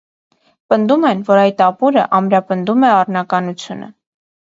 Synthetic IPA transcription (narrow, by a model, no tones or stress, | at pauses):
pənd̪umɛnvɔɾɑjt̪ɑpuɾə̰ʔɑmɾɑpənd̪umɛɑrnɑkɑnut͡sʰjunə̰